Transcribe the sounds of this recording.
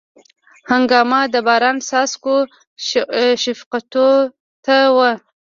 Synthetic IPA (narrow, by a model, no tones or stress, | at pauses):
haŋɡɑmɑd̪əbɑɾɑnsɑsko | ʃɪfqat̪o | t̪awə